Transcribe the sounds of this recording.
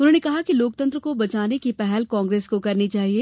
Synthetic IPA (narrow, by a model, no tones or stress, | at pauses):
ʊnɦõːnekɐɦakiloːk̚t̪ɐ̃nt̪ɾəkobɐt͡ʃaːnekipɛɦɛlkɔ̃ːŋɡɾeːskokɐɾnit͡ʃaːɦieː